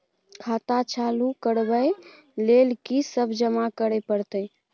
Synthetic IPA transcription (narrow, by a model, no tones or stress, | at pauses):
kʰat̪at͡ʃʰalukəɽbəj | lelkisəbʱd͡ʒəmakəɾepəɾt̪əj